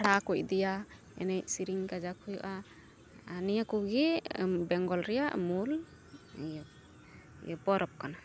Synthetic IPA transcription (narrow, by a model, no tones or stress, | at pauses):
ɽakuc̚ˀd̪ɛja | ɛ̰nɛj̚siɾiŋkad͡ʒakʰujṵʔaː | nijakuɡibɛŋɡɔlɾɛjaʔmul | j | jbɔɾɔp̚kana